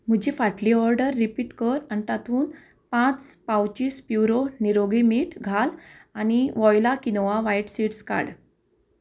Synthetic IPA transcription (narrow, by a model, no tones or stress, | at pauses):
m̤əd͡ʑifaʈliɔɾɖəɾːipiːʈkəɾanit̪at̪ʰuːn | pãt͡spawt͡ɕiːspjuɾoniɾoɡimiːʈɡʱalaniɔjlakinoʋaʋaiʈsiʈska̰ɽ